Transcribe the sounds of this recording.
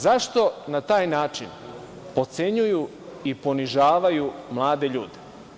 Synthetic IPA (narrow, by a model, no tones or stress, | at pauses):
zaʃt̪o̞nat̪aːjnaːt͡ʃin | po̞t̪se̞ɲuju | ipo̞niʒaːʋajumlˠaːd̪e̞ʎuːd̪e